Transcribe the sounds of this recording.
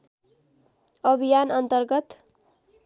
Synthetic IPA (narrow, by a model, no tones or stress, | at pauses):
ʌbʱijanʌnt̪ʌrɡʌt̪